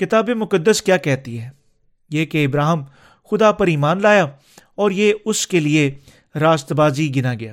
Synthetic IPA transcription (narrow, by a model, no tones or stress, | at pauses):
kɪt̪aːbemʊkəd̪ːəskjaːkɛɦt̪iɦɛː | jeːkeɪbɾaːɦəm | xʊd̪aːpəɾiːmaːnlaːjaː | ɔːɾjeːʊskelɪe | ɾaːst̪baːziɡɪnaːɡɪja̰ː